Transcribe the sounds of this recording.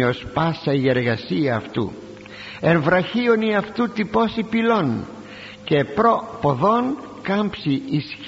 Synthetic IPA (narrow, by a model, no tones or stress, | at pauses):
ospɐsɐie̞ɾɣɐsiɐːft̪ṵ | eɱvɾɐçioniɐft̪ut̪ipo̞sipilo̞n | ce̞pɾo̞poðo̞n | kɐmpsiis